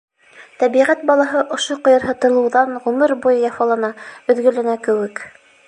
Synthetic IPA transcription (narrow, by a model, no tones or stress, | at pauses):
t̪æβiʁæt̪̚bɑlˠɑɦɤʔŏʃoqŏjɤ̆ɾɦɤ̆t̪ɤ̆lˠɤ̆wðɑnʁɵmɘɾbujɤjɑfɑlˠɑnɑɵ̆ðɡɵ̆lænækɘ̆wɘk